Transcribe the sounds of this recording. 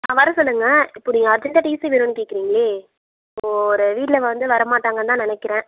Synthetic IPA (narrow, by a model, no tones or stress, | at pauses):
aːʋɐɾɐ̃sɔlːɯŋɡɐɪpːoːniːŋɡɐːɾd͡ʒɐɳʈaːʈiːsiʋiːɾunːɯkeːkːɪɾiːŋɡɐleː | ɪpːooːɾɯʋiːʈɪlɐʋɐnd̪ɯʋɐɾɐmaːʈːaːŋɡɐt̪ãːnɪnɛkːɪɾẽː